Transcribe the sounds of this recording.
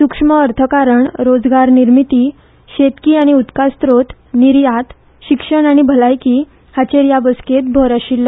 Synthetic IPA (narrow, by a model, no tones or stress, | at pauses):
sukʂməːɾt̪ʰəkaɾəɳɾod͡zɡaɾniɾmit̪iː | ɕet̪kiːaɽ̃iut̪kast̪ɾot̪niɾjat̪ | ɕikʂəɳaɽ̃ibʱəlajki | hat͡ɕeɾjabəsket̪̚bʱɔɾaɕilːə